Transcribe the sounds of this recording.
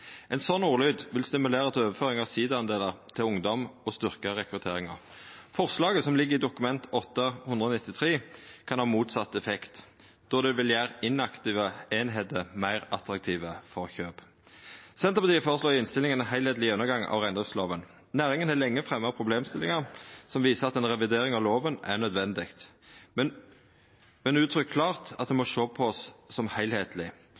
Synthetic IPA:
ʔɛnsɔnːuːʁlyːd̪ʋɪlst̪ɪmʉleːʁət̪ʰɪløːʋəføːʁɪŋɑʋsiːd̪əɑnd̪eːləʁt̪ʰɪlʊŋd̪ɔmɔst̪ʏʁkəʁɛkʁʉt̪ʰeːʁɪŋə̰ʁ | fɔʁslɑːɡəsɔmlɪɡːəʁɪd̪ʊkʉmɛnt̪ɔt̪ːɑhʉnd̪ʁəɔːnɪt̪ːɪt̪ʰʁeːkʰɑnhɑːmuːt̪sɑt̪ːɛfɛkt̪ | d̪̥ɔd̪ɛʋɪljæːʁɪnɑkt̪ɪʋəeːnɦeːd̪əmæɪʁɑt̪ʁɑk̚t̪ʰiːʋəfɔʁçøːb | sɛnt̪əpɑt̪iːəfoːʁəsloːʁɪnst̪ɪlɪŋənɛnɦæɪlheːt̪lɪʉnːəɡɑŋɑ̰ʋʁæɪnd̪ʁɪfsloːʋən | næːʁɪŋənhælɛŋːəfʁɛmːəʁpʰʁʊbleːmst̪ɪlɪŋɑʁsɔmʋiːsəʁɑt̪ɛːnʁɛʋɪd̪eːʁɪŋɑʋloːʋənæ̰nœd̪ʋɛnd̪ɪkt̪ | mɛnʉːt̪ʰɾʏkʰːlɑːʁt̪ɑt̪̚d̪ɛmɔʃoːpʰɔɔsːɔmhæɪlheːt̪əlɪ

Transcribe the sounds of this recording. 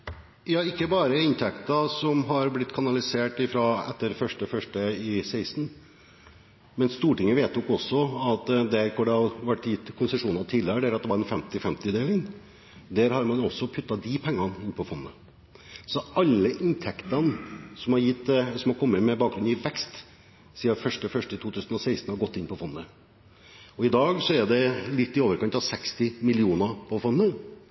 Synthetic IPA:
jɑːɪkːəbɑːɾəɪnt̪ʰɛkt̪ɑsɔmɦɑɾblɪt̪ːkʰɑnɑlɪseːʈɪfɾɑɛ̰t̪ːəɾfœʂʈəfœʂʈəɪsæɪst̪n̩ | mɛnst̪uːʈɪŋːəʋeːt̪jʊkɔsːɔɑt̪d̪æɾkɔɖɛɑʋæʈːjɪt̪ːkʰʊnsəʂuːnɑt̪ʰiːlɪɾəɖ̪æɾɑt̪̚d̪ɛʋɑɾɛnfɛmt̪ɪfɛmt̪ɪd̪eːlɪŋ | d̪æɾhɑɾmɑnɔsːɔpʰʉt̪ːɑd̪ɪpʰɛŋːɑnɪnpʰɔfɔnːə | sɔɑlːəʔɪnt̪ʰɛkt̪ɑnsɔmhɑɾjɪt̪ːsɔmhɑɾkʰɔmːəmɛbɑːk̚ɡɾʉnɪʋɛkst̪ | siːəfœʂʈəfœʂʈət̪ʰuːt̪ʰʉːsən̩ɔsæɪst̪n̩hɑɾɡɔt̪ːɪnpʰɔfɔnːə | ɔɪd̪ɑːɡsɔæɖɛlɪt̪ːɪoːʋəɾkʰɑnt̪ɑʋsɛkst̪ɪmɪlɪuːnɑpʰɔfɔnːə

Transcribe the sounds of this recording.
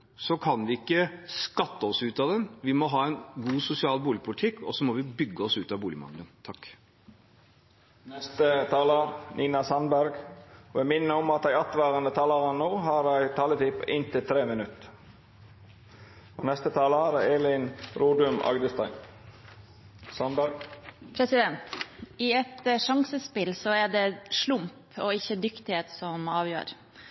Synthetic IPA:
sɔkʰɑnʋɪɪkːəskɑt̪ːəɔsʉːt̪ɑd̪ɛnʋɪmɔɦɑːɛɪnɡuːsʊsɪɑːlbuːlɪpʰʊlɪt̪ʰɪkːɔ̰sɔmɔʋɪbʏɡːəɔsʉːt̪ɑbuːlɪmɑ̰ŋd̪ənt̪ʰɑkː | nɛst̪ət̪ʰɑːləɾnʔiːnɑsɑnbæɾɡɔʋɛmɪnːəɔmɑt̪d̪æɪɑt̪ʋæːɾənət̪ʰɑːləɾənnːoːɦɑɾæɪt̪ʰɑːlət̪ʰiːpɪnt̪ɪlt̪ʰɾeːmɪnʉt̪ | oːnɛst̪ət̪ʰɑːləɑɾeːlɪnɾuːd̪ʉmɑ̰ɡd̪əst̪æɪ | sɑnb | pʰɾɛsɪd̪ɛnt̪ɪɛt̪ʂɑŋsəspɪlsɔæɖɛʂlʊmp | oːɪçəd̪ʏkt̪ɪheːt̪sɔmɑːʋjø̰ːɾ

